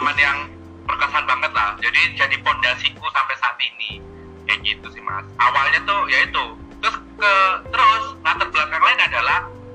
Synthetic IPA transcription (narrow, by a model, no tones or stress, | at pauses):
manjaŋ | b̥ərkasaanbaŋət̪̚lahd͡ʒadid͡ʒadipɔndasikusampajsaːt̪ini | kaɡit̪usɪhma̰sawalɲat̪ʊhjait̪u | t̪ɾʊskət̪əɾʊsnat̪ərbəlakaŋlaɪnadalah